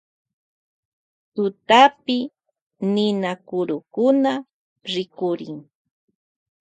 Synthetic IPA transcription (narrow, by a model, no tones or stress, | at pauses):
t̪ʊt̪apɪ | nɪnakʊɾʊkʊna | ɾɪkʊɾɪ̰ŋ